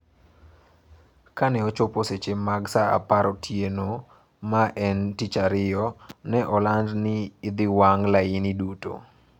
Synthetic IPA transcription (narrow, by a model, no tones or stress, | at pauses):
kanɛɔt͡ʃoposet͡ʃemaɡsaa̰paɾɔtʰjeno | maʔɛntit͡ʃaɾɪjɔnɛʔɔlandnɪːd̪ɪwaŋlaɪniduto̰